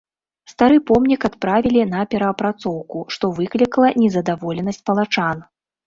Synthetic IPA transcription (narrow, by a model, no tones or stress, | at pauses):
st̪aɾɨpɔmnʲikat̪pɾavʲilʲin̪ɐpʲɛɾɐːpɾat̪sɔwkuʂt̪ɔvɨklʲikɐlˠɐnʲɛzɐd̪avɔlʲɛnɐsʲt͡sʲpɐlˠat͡ʂan